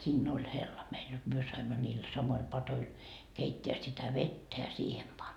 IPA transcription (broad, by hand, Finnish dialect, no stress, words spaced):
siːnː olʲ helːɑ meil jot myø sɑimːɑ niːl sɑmoil pɑtoil keitːeæ sitæ ʋetːæ jɑ siːhem pɑn